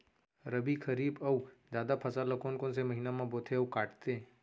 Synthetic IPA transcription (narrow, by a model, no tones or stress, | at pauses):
ɾəbʱikʰəɾiːbɐud͡ʒjaːd̪apʰɐsalɐkoːnkõnsemɐɦiːnamãboːt̪ʰeɐwkaːʈt̪e